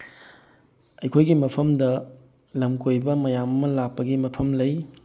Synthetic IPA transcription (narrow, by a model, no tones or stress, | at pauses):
ɐjkʰojɡimɐpʰɐmdɐ | lɐmkojbɐmɐjamɐmːɐlak̚pːɐɡimɐpʰɐmlɐj